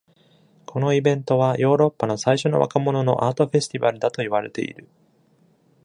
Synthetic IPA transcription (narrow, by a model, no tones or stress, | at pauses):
kʰo̞no̞ibẽ̞nt̪o̞β̞ajo̞ːɾo̞pːano̞saiɕo̞no̞̰βa̰kamo̞no̞no̞̰ʔaːt̪o̞ɸe̞sɨ̥t̪ʲibaɾɯ̟d̪at̪o̞iβaɾe̞̰t̪e̞̰ḭɾɯ̟